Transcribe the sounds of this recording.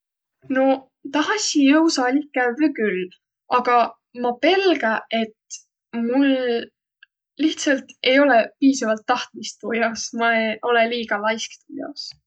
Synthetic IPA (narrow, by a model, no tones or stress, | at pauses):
no | t̪ɑɦɑsʲijɤwsɑlʲikːævekyl | ɑɡ̥ɑ | mɑpe̞lɡɑʔe̞t̪ | mul | iht̪sɑlt̪e̞jo̞lepiːsɑvɑlt̪ːɑht̪mist̪pojosmɑeo̞leliːɡ̥ɑlɑjskt̪ujo̰s